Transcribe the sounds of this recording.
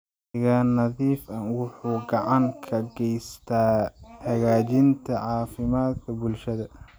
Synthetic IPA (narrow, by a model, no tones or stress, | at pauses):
ɪɣaːnɐðiːfɐnwʊħuːɡɑʕɑŋkʰɐɡɛjst̪ʰaːhɐɣaːt͡ʃɪnt̪ʰɐʕɑːfɪmaːd̪kʰɐbʊlʃɐðɐ